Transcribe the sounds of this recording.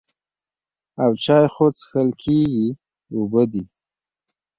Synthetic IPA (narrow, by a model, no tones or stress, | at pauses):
awt͡ʃɑjxot͡sxəlkʰeɡi | ubəd̪i